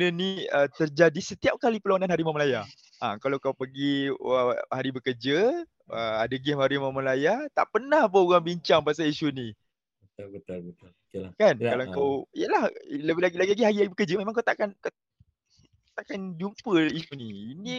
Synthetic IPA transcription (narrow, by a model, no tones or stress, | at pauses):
nəniət̪ərd͡ʒadisət̪iap̚kalipəluananɦaɾimaməlaja | akalawkawpəɡi | haɾibəkərd͡ʒə | əadaɡɛmhaɾimaməlajat̪a̰ʔpənahpəoɣaŋbiɲt͡ʃaŋpasaliʃunĩ | ət̪ət̪lət̪ | kankalaŋkawijəlahləbɪlaɡilaɡilaɡiɦaɾilaɡibəkərd͡ʒəmemaŋkat̪akanka | t̪akand͡ʒumpəiʃuniinĩ